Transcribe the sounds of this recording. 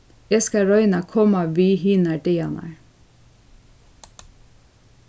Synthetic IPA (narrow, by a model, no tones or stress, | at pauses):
ɛskɑɹɔʏnɑkʰɔmɑʋiːhiːnɑɖeɑ̰nɑ̰ɹ